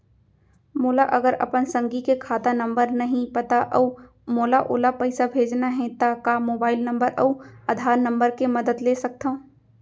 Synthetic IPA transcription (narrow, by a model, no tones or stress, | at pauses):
moːlaʔɐɡəɾɐ̰pənsɐ̃ŋɡikekʰaːt̪anɐ̃mbəɾnɐɦĩpɐt̪aʔɔː | moːlaʔʊːlapɐɪsabʱeːd͡ʒnaɦɛ̃t̪akamoːbaːɪlnɐ̃mbəɾʔɔːɐd̪ʱaːɾnɐ̃mbəɾkemɐd̪əd̪leːsɐk̚t̪ã